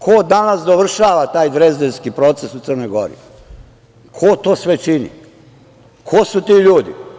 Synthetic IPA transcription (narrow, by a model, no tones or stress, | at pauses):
kʰod̪anasd̪oʋr̩ʃaːʋat̪aːjd̪ɾezd̪elskipɾo̞t̪sesut̪sər̩nojɡo̞̰ɾḭ | kʰot̪oːsʋet͡ʃinḭ | kʰosut̪iːʎuːd̪ḭ